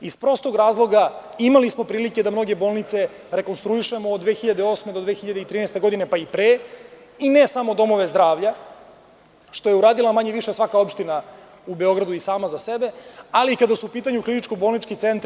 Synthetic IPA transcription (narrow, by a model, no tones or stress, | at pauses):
ispɾo̞st̪oɡɾaːzlˠo̞ɡaimalismo̞pɾiːlike̞d̪amno̞ɡe̞bo̞ːlˠnit̪se̞ | ɾe̞ko̞nst̪ɾuiʃe̞moːd̪ʋeːxiʎad̪eo̞ːsmed̪od̪ʋe̞ːxiʎad̪eit̪ɾiːnɛjst̪e̞ɡo̞d̪ine̞paipɾeː | inesamo̞d̪o̞mo̞ʋe̞zd̪ɾaːʋʎa | ʃt̪o̞je̞uɾaːd̪ilˠamaɲeʋiʃesʋakao̞pʃt̪ina | ube̞o̞ɡɾad̪uisaːmazasebe̞alikad̪asuupiːt̪aɲuklinit͡ʃkobolnit͡ʃkit̪e̞nt̪